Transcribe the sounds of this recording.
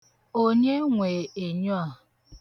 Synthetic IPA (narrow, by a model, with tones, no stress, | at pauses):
o˦ɲe˦ŋʷeː˨e˨ɲɔ˦a˨